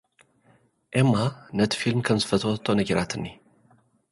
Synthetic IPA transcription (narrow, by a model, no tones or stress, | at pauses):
ʔemːanət̪ʰi̥filmkʰɐmzɨfət̪ʰəwɔt̪ʰːonəɡəɾat̪ʰɨnːi